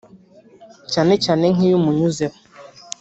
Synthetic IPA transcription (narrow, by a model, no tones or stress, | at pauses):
t͡ʃanɪt͡ʃaneŋŋijumuɲuzep